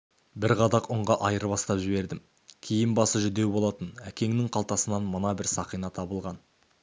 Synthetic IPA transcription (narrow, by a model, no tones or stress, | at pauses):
bɪɾʁɑd̪ɑqʊɴʁɑʔɑjəɾbɑst̪ɑpʒɪβe̞ɾd̪ɪm | kʲʰijɪnbɑsəʒʏd̪e̞wbo̞lˠɑt̪ənækʲe̞ŋnɪŋqʰɑlˠt̪ɑsənɑnmənɑbɪɾsɑqijnɑt̪ʰɑbəlˠʁɑn